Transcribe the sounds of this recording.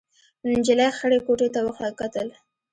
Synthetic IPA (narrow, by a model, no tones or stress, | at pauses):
nd͡ʒɪlaxəɽekoʈet̪awəxlakat̪əl